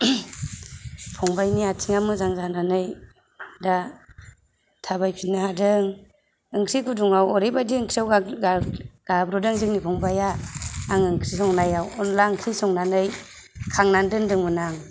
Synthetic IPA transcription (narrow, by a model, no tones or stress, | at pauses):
pʰɔŋbajniatʰiŋamɯzaŋzananɯj | da | tʰaβajpʰinːahadɯŋ | ɯŋkʰɾikʰuduŋawɔɾibadiɯŋkʰɾiawa | ɡ̥abɾɔdɯŋzɯŋnipʰɔŋbajaːŋɯŋkʰɾisɔŋnajawɔnlaɯŋkʰɾisɔŋnanɯj | kʰaŋnandɯndɯŋmɯnaŋ